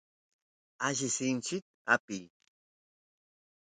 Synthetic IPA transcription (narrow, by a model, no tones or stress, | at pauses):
aʒɪsɪnt͡ʃɪt̪̚a̰pɪj